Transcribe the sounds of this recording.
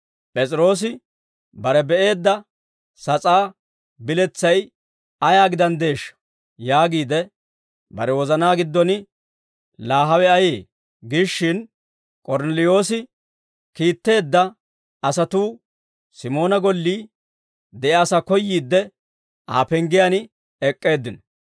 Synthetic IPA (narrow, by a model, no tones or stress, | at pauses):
pʼɛt͡sʼɪɾo̞ːs̬ɪ | bɐɾɛbɛʔe̞ːd̪ːɐ | sɐt͡sʼaː | bɪlɛt͡sːɐj | ɐjaːɡɪd̪ɐnd̪e̞ːʃːɐ̥ | jaːɡiːd̪ɛ | bɐ̰ɾɛwɔzɐnaːɡɪd̪ːɔnɪ | laːɦɐwɛɐjeː | ɡɪʃːɪn | kʼɔɾnɛlɪjo̞ːsɪ | kiːt̪ːe̞ːd̪ːɐ | ɐsɐt̪uː | sɪmo̞ːnɐɡɔlːiː | d̪ɛʔasakɔjːiːd̪ːɛ | a̰ːpɛŋɡɪjanɪ | ɛkʼːe̞ːd̪ːɪnɔ̥